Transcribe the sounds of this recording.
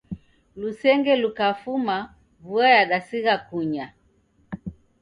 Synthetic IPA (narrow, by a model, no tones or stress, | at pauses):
lusɛŋɡɛlukafuma | vuajaɗasiɣakuɲa